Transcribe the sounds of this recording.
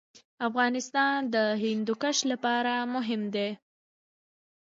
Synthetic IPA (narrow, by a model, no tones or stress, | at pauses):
afɣɑnɪst̪ɑnd̪əɦɪnd̪ʊkaʃlapɑɾamʊɦɪmd̪e